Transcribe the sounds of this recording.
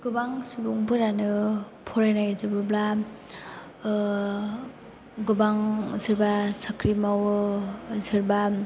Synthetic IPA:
ɡ̥ɯbaŋsubuŋpɯɾanɯ | pʰɔɾajnajzɯbɯbla | ɡɯbaŋzɯɾbasakɾimawɯzɯɾba

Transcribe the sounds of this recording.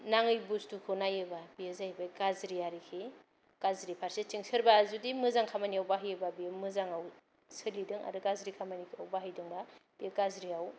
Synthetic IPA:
naŋɯjbustukʰonajɯbabijezajbakazɾiaɾikʰi | ɡ̥azɾipʰaɾset͡ʃiŋsʰɯɾbazudimɯzaŋkʰamaniawbaɦɯjɯbabimɯzaŋaw | sʰɯlidɯŋa̰dɯkazɾikʰamanikʰiawbaɦɯjdɯŋbab̥ieɡazɾiaw

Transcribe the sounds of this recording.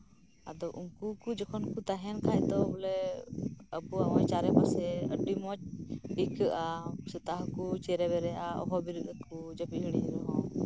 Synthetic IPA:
a̰d̪ɔʔuŋkukud͡ʒɔkʰɔnkut̪aɦɛnkʰajt̪ɔbɔlɛ | əpuaʔɔjt͡ʃaɾɛbasɛəɖimɔt͡ʃ̚ɖikəʔasɛt̪aɦkut͡ʃɛɾɛβɛɾɛʔaɔ̰ɦɔbiɾut̪̚əkud͡ʒapiɦiɽ̃iɾɔɦɔ̃

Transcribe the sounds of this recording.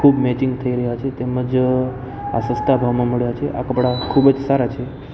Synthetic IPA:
kʰubmɛt͡ʃɪŋɡt̪ʰəiɾəɦjat͡ʃʰet̪eməd͡ʒ | a̰səst̪ʰabʱaʋmãməɭjat͡ʃʰeʔa̰kəpɽakʰubəd͡ʒsaɾat͡ʃʰe

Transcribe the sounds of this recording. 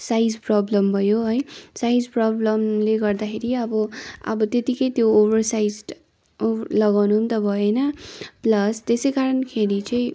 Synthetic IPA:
sajd͡zprʌblʌmbʱʌjoɦʌjsajd͡zprʌblʌmleɡʌrd̪akʰeɾiʌbʌʌ̰bʌt̪jet̪ikʌjt̪joobʱʌrsajd͡z | olʌɡawnuunt̪ʌbʱʌjenʌplʌst̪esʌjkaɾʌnkʰeɽit͡sʌĩ

